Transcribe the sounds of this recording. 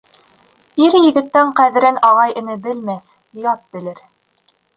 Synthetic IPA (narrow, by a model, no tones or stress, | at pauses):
iɾjɘ̆ɡɘ̆t̪ːæɴqæðɘ̆ɾɘnɑʁɑjʔɘ̆nɘbɘ̆lmæθ | jɑt̪̚bɘ̆lɘɾ